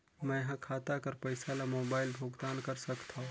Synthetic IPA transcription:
mɛ̃ɦãkʰaːt̪akɐɾpəɪsalamoːbaːɪlbʱoːɡd̪aːnkɐɾsəkt̪ʰã

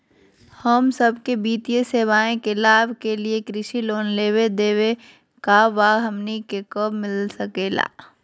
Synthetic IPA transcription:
həmsɐbkebiːt̪ijeseːʋaːẽkelaːbkeliekɾɪʃiloːnleːwed̪eːwe | kaʋaːɦɐmnikekəbmɪlsɐkeːla̰ː

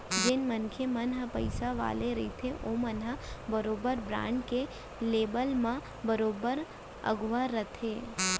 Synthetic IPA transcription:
d͡ʒɪnmənkʰemənɦəpəɪsaʋa̰ːleɾɐit̪ʰeʔomənɦəbəɾoːbəɾbɾã̰ːɳɖke | leːbəlmã | bəɾoːbəɾ | ə̰ɡʋaɾət̪ʰeː

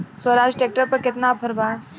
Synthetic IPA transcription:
swəɾaːd͡ʒʈek̚ʈəɾpɐɾkɪt̪napʰəɾbaː

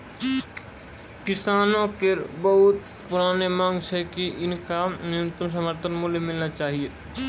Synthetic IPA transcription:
kɪsaːnõkeɾbɐɦʊt̪ | pʊɾaːnemãːŋɡt͡ʃʰɛkiʔɪnkanɪjənɪt̪əms̬əməɾt̪ʰənmʊljemɪlnat͡ʃaːɦieː

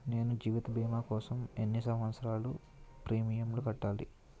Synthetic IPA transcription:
ne̞ːnud͡ʒiːʋit̪ɐbʱiːmaːkɔːsɐmenːisɐmʋɐt̪sɐɾaːlu | pɾiːmijɐmlukɐʈːaːlḭ

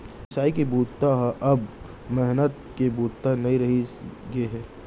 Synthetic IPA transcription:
ɪsaːikebuːtt̪aɦʔɐb | mɛɦnət̪̚kebuːt̪t̪anɐɦĩɾɐɦiɡɐeɦɛ̃ː

